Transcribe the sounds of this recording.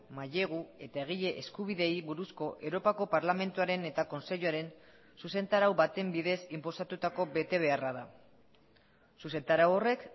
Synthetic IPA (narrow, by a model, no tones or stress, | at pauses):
maʎe̞ɣ̞ue̞t̪ae̞ɣ̞iʎe̞ʔeskuβiðe̞jβuɾusko̞ʔe̞wɾo̞pako̞paɾlame̞nt̪uaɾe̞ne̞t̪ako̞nse̞ʎuaɾe̞n | suse̞nt̪aɾawβat̪e̞mbiðe̞simpo̞sat̪ut̪ako̞be̞t̪e̞β̞e̞araða̰ | suse̞nt̪aɾawo̞re̞k